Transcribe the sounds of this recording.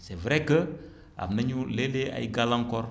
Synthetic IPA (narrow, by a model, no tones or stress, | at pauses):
sɛvɾɛkə | a̰bnɐɲulelea̰jɡalãŋkɔɾ